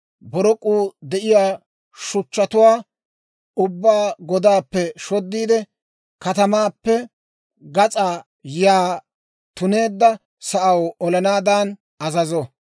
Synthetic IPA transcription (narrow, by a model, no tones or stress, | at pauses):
bɔɾɔkʼːuːd̪ɛʔɪjaː | ʃʊt͡ʃːɐt̪ʊwaː | ʊbːaːɡɔd̪aːpːɛʃɔd̪ːiːd̪ɛ | kɐt̪ɐmaːpːɛ | ɡɐt͡sʼaː | jaː | t̪ʊne̞ːd̪ːɐ | sɐʔɐwɔlɐnaːd̪aːn | ɐzɐzɔ